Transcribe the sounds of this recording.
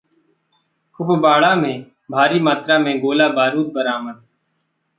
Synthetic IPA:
kʰʊfbaːɭaːmẽː | bʱaːɾiːmaːt̪ɾaːmẽːɡoːlaːbaːɾuːt̪̚bəɾaːməd̪̚

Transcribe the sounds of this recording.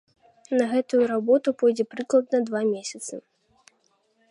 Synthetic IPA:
nɐɣɛt̪ujuɾabɔt̪upɔjd͡zʲɛpɾɨklˠɐd̪nɐd̪vamʲesʲɐt̪sɨ

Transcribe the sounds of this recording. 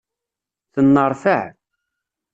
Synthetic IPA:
θənːəɾˤfəʕ

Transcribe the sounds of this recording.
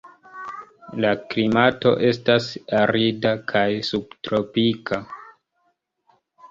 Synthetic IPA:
laklimato̞̰ʔe̞stasaɾidakʰajsub̚tɾo̞pikʰa

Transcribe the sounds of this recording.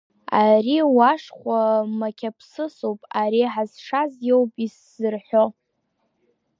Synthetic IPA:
ariwaʂχʷamakʲʰapʰsɨsowpʼaɾiħazʂazjewpʼis | zɨrħʷo

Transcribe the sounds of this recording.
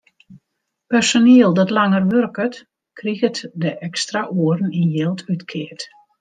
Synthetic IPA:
pɛrsoniəlˠdɔtlaŋərʋørkət | kʰriɣətdəʔɛkstraʔuərn̩injelˠtʰytkʰɪət

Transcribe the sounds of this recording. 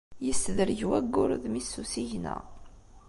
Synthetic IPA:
jəsðəɾʝwæɡːʊɾðmisːusiʝnæ̰

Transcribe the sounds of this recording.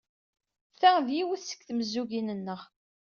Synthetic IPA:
θæðjiwəθsə̥kθməzːuɡinənːəʁ

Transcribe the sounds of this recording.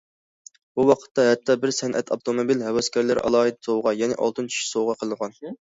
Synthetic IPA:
b̥uwɑqʰə̥t̪ʰːɑɦɛt̪ʰːɑbɪɾsɛnʔɛ̰t̪ʰɑpt̪ʰomobilhɛwɛskʲɛɾlɪɾʔɑ̰lˠɑːɦid̪sowʁɑjɛnɪ̰ʔɑ̰lˠt̪ɨnt͡ʃʰy̥ʃsowʁɑqʰəlˠənəʁɑn

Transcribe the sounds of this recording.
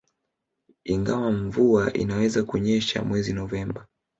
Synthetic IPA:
iŋɡawaɱvuaʔḭnawɛzakuɲɛʃa̰mwɛzinɔvɛmba

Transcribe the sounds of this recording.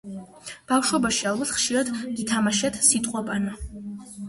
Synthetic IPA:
b̥afʃwɔbaʃialˠbat̪ʰχʃiɾad̪ɡit̪ʰamaʃat̪ʰsit̪ʼqʼɔbʼana

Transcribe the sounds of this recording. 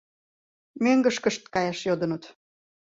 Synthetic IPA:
møŋɡəʃkə̆ʃt̪kɑjɑʃjod̪ənət̪

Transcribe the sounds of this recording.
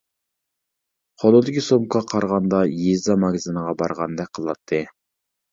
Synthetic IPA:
qʰolˠɨd̪ɪkʲʰisomqʰɑqʰɑɾʁɑnd̪ɑjezɑmɑɡʲzɨnəʁɑbɑɾʁɑnd̪ɛk̚ʲqʰəlˠɑt̪ʰːɨ

